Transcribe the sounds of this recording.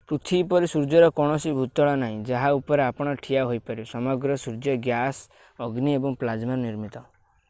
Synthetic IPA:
pɾut̪ʰipɔɾisuɾd͡ʒɔɾɔkɔɽ̃ɔsibʱut̪ɔɭɔnaɦĩd͡ʒaɦaupɔɾeapɔɽ̃ɔʈʰijaɦojpɔɾisɔmɔɡɾɔsuɾd͡ʒɔɡjas | ɔɡniebɔŋplad͡ʒmaɾniɾmit̪ɔ

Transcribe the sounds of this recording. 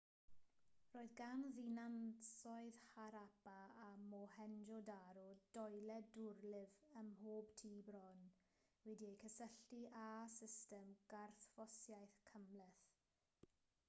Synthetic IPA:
roːɨðɡanðinansɔɨðhaɾabaːmɔhɛnd͡ʒɔdaɾud̥ɔjlɛdʊrlɪvəmhoːb̥tʰiːbɾɔn | wɛdiejkʰəsəɬtiʔasɪstɛmɡ̥arθfɔsjajθkʰəmlɛθ

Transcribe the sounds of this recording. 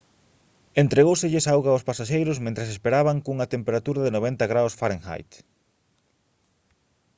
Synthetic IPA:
ent̪ɾeɣowsɪʎɪsawɣaospasaʃejɾʊsmẽnt̪ɾasespeɾaβaŋkuŋɐt̪empeɾat̪uɾaðɪnoβ̞ent̪aɣɾawsfaɾẽŋxa̰jt̪

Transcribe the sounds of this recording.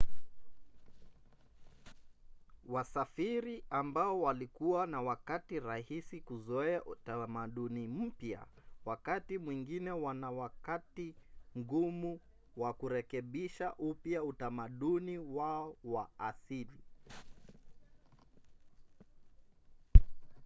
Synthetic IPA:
wasafiɾiambaɔwalikuwanawakatiɾahisikuzɔɛaʔutamaɗunim̩pja̰wakatimwiŋɡinɛwanawakatiŋɡumu | wakuɾɛkɛɓiʃaʔupjautamaɗuniwaɔwaːsili

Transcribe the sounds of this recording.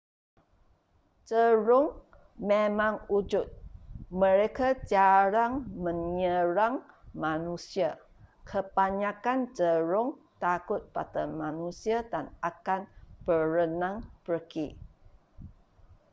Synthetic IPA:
t͡ʃəɾʊŋ | memãŋud͡ʒʊt̪̚məɾekad͡ʒaɾaŋməɲəɾaŋ | manusia | kʰəpaɲakant͡ʃəɾʊŋt̪akʊt̪̚pa̰t̪ənmanusiadanakanb̥əɾənãŋpərki

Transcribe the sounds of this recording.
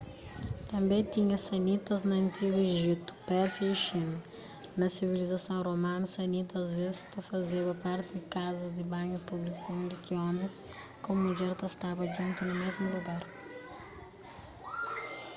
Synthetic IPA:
t̪ɐ̃mbẽj̃t̪iɲɐsɐnit̪ɐznɐɐ̃nt̪iɡʊeʒit̪ʊ̥pɛɾsjɐiʃinɐ | nɐsivilizɐsɐ̃w̃romãnɐsɐnit̪ɐːzvezɪ̥st̪ɐfɐzeβɐpaɾt̪ɪd̪ɪkazɐzd̪ɪbãɲʊpublikuẽnd̪ɪkiɔ̃mẽs | kõmuʎɛɾt̪ɐst̪avɐʒũnt̪ʊnʊmezmʊluɡaɾ

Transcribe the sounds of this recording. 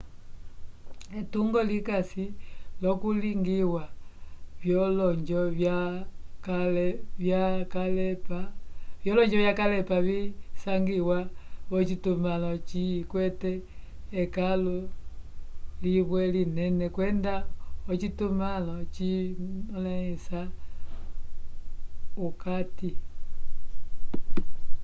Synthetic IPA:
ɛtuŋɡɔlikasilɔkuliŋɡiwavjɔlɔɲd͡ʒɔakljakalɛpavjɔlɔɲd͡ʒɔβjakalɛpaβisaŋɡiwaɔt͡ʃitumalɔt͡ʃikwɛtɛː | kalu | liβwɛlinɛnɛkwɛndaɔt͡ʃitumalɔt͡ʃi | laisa | ukati

